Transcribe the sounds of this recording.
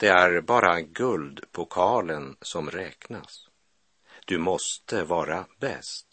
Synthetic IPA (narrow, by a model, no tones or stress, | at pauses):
d̪̥ɛæɾbɑːɾaɡɵld̪pʰɔkʰɑːlənsɔmɾɛːknas | d̪̥ɵmɔst̪əvɑːɾabɛ̰st̪